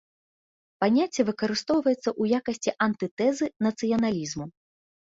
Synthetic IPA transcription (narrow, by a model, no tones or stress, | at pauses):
panʲat͡sʲːɛvɨkɐɾɨst̪ɔwvɐjɛt̪sːɐʔujakɐsʲt͡sʲiʔɐnt̪ɨt̪ɛzɨnɐt̪sɨjɐnalʲizmu